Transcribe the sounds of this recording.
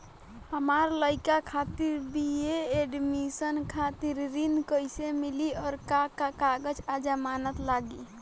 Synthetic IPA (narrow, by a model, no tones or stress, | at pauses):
həmaɾləɪkakʰat̪iɾbieeɖmisənkʰat̪iɾːinkəjsemiliɔːɾkakakaɡəd͡ʒad͡ʒamanət̪laɡi